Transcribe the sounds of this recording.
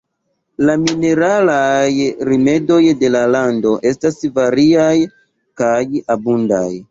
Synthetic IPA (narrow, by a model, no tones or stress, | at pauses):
lamine̞ɾalajɾime̞do̞jde̞lalando̞ʔe̞stasvaɾiaj | kajabunda̰j